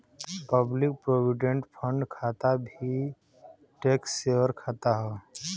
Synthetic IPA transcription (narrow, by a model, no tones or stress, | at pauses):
pəblik̚pɾoʋiɖẽɳʈpʰə̃ɳɖkʰat̪abʱi | ʈekseʋəɾkʰat̪aɦɔ